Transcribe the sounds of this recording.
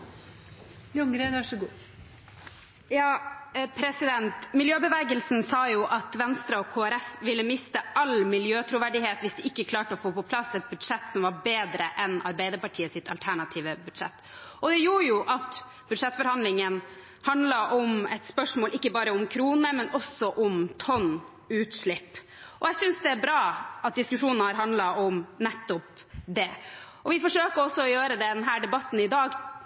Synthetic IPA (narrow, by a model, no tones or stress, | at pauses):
ʊŋɾenʋæʂɔɡuː | jɑːpʰɾɛsɪd̪ɛnt̪mɪljøːbəʋeːɡəlsn̩sɑːjuʔɑt̪ʋɛnst̪ɾɑɔkʰoːæɾɛfʋɪlːəmɪst̪əɑlmɪljøːt̪ʰɾʊʋæɖɪheːt̪ʋɪsd̪ɛʔɪkːəkʰlɑːʈəɔfoːpɔpʰlɑsɛt̪̚bʉd̪ʂɛt̪ːsɔmʋɑbeːd̪ɾəʔɛnɑ̰ɾbæɪd̪əɾpɑʈʰiːəsɪt̪ʰɑ̰lt̪ʰæɳɑt̪ʰiːʋəbʉd̪̥ʂɛ̰t̪ː | ʔɔd̪ɛjuːɾjʊʔɑt̪ | b̥ʉd̪ʂɛt̪ːfɔɾhɑnd̪lɪŋən | hɑnd̪lɑʔɔmɛt̪spœʂmoːlɪkːəbɑːɾəʊmkʰɾuːnəmɛnʔɔsɔʔɔmt̪ʰɔn | ʉːt̪ʂɭɪpː | ʔɔjɛɪsʏnsd̪ɛæɾbɾɑːɑt̪̚d̪ɪskʉʂuːnnhɑɾɦɑnd̪lɑʔɔmnɛt̪ːɔp | d̪ɛʔɔʋɪfɔʂøːkəɔsːɔɔjøːɾəd̪ɛd̪nɦæːɖɛbɑt̪ːn̩ɪd̪ɑːɡ